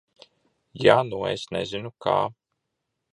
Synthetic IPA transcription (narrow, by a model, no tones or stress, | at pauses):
januḛsnɛ̰zinukʰa̰ː